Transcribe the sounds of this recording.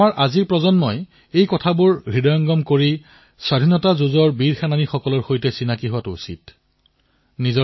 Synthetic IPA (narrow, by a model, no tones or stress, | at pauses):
aɹʔaziɹpɹɔzɔnmɔj | ejkɔtʰabʊɹɡʱɹidɔjɔŋɡɔmkoɹi | swadʱinɔtazuzɔɹbiɹxananixɔkɔlɔɹxojtɛsinakiɦʊwatusḭt̚ | nizɔ